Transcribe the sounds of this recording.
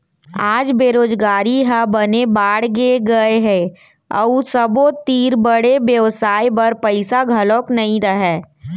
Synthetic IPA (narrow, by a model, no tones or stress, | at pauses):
aːd͡ʒbeːɾoːd͡ʒɡaːɾiɦəbɐnebaːɽɡeɡɐeɦɛ̃ | ə̰sɐbot̪iːɾbəɽebjəʋsaːibɐɾpɐɪsaɡʱɐloːknɐɦĩɾɐɦɛː